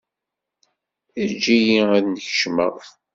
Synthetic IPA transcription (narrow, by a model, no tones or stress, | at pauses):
æd͡ʒijiæðnəçə̥ʃmə̰